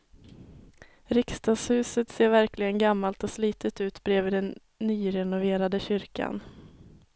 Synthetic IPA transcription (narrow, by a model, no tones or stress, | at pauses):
ɾɪkst̪ɑːɡshʉ̟ːsət̪seːɾvæɾklɪɡənɡamːalt̪ɔsliːt̪ət̪ʉ̟ːt̪bɾeːvɪd̪ɛnː | yːɾɛnʊveːɾad̪əɕʏɾka̰n